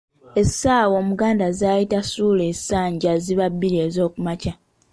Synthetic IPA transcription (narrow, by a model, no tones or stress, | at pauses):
e̞saːwo̞ːmuɡaːndazaːjitasuːle̞saːɲɟaziβabːiɾiezo̞ːkumaca